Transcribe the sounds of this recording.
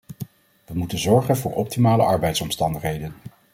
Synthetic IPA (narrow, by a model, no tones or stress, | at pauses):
ʋəmutənzɔɹχənvʊːɹʔɔp̚timaːlə̰ʔɑɹbɛjtsɔmstɑndəχɦejdən